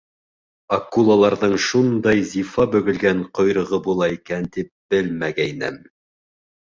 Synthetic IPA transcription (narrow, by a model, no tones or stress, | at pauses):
ɐkulˠalˠɑɾðɤɴʃund̪ɑjzifɑbɵ̆ɡɘ̆lɡæɴqŏjɾɤ̆ʁɤbulˠɑikænt̪ip̚b̥ɘlmæɡæjnɘ̰m